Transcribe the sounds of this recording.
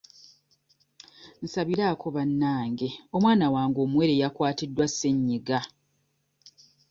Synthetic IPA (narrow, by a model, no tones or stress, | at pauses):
n̩saβiɾaːkʰo̞βanːaːŋɡe̞o̞mwaːnawaːŋɡo̞ːmuwe̞ɾejakwaːtidːwasːe̞ɲːiɡa